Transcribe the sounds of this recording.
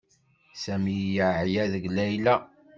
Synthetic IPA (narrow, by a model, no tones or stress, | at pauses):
sæmijəʕjæðəɡlæjlæ